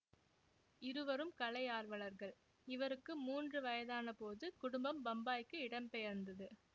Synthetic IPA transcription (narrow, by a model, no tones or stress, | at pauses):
ɪɾɯʋɐɾɯmkɐlɐɪaːɾʋɐɭɐɾɣɐɭ | ɪʋɐɾɯkːɯmuːndrɯʋɐjɐðaːnɐpoːðɯkʊɽʊmbɐmbɐmbaːjkːɯɪɽɐmpɛjɐɾnd̪ɐðɯ